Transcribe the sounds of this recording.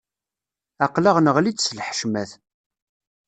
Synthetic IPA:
æqləʁnəʁlidslħʃmæθ

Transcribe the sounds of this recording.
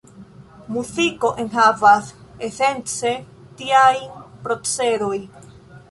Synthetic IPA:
muziko̞ʔenɦavasese̞nt͡se̞ | tiajnpɾo̞t͡seɾo̞j

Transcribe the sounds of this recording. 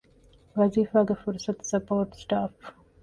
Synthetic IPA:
ʋɐziːfaːɡefuɾsɐt̪sɐpoːɾʈsʈaːf

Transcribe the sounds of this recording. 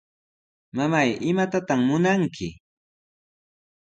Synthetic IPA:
mamajɪmat̪at̪aχmʊnaŋkʰɪ

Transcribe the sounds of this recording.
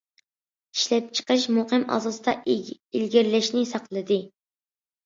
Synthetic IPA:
iʃlɛp̚t͡ʃʰə̥qəʃmoqəmʔɑ̰zɑsɨd̪ɑ | ilɡʲɪɾlɛʃnɪsɑqlˠɨd̪ɨ

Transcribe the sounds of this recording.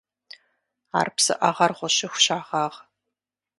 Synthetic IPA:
a̰ːrpsɨ̰ʔɐʁɐrʁʷɔɕɪxʷʊ̥ɕaːʁɑːʁ

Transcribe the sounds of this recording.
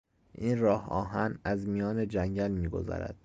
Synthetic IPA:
ʔiːnrɒːhɒ̰ːɦænæzmijɒːned͡ʒæɲɟælmiːɡo̞̰zɒ̰ːɾæ̰d̪̥

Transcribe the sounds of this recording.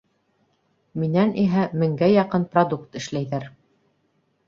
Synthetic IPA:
minænʔiɦæmɘ̆ŋɡæjɑqɤnprod̪ukt̪ɘ̆ʃlæjðæɾ

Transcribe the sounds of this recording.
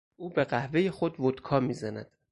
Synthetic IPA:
uːbe̞ɢæhvejexod̪vod̪̥kʰɒːmiːzænæ̰d̪̥

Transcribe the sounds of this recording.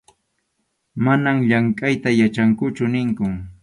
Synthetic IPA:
manamʎaŋkʼajt̪ajat͡ʃaŋkʊt͡ʃʊnɪŋkʊ

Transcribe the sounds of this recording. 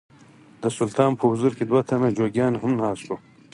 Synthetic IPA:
d̪əsʊlt̪ɑːmpʰəhuzuɾked̪wat̪ʰɐmed͡ʒoːɡʲjɑːnɦʊmnɑːst̪u

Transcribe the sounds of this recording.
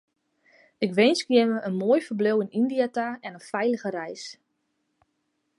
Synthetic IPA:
ɪkʋɪnskjɪnʋəʔənmoːjfərbløwɪnindijataɛnənfɛjləɣəɾɛjs

